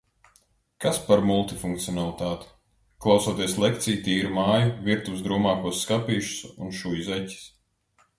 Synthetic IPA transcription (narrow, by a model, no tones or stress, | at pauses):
kaspaɾmulˠt̪ifuŋk̚t̪siɔnalˠit̪aːt̪i̥ | klˠawsoɔt̪iɛslˠɛkt̪sijt̪iːɾumaːjuviɾt̪uwsd̪ɾuːmaːkuɔsːkapiːʃu̥sṵnʃujzɛcʲi̥s